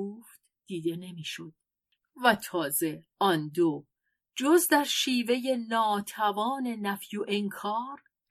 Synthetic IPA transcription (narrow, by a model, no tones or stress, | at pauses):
oːft̪ | d̪̥iːd̪ene̞miːʃod̪̥̚ | væt̪ʰɒːze̞ | ɒnd̪o | d͡ʒozd̪æɾʃiːve̞je̞nɒːt̪ʰævɒːne̞næfjuʔeŋkʰɒːɾ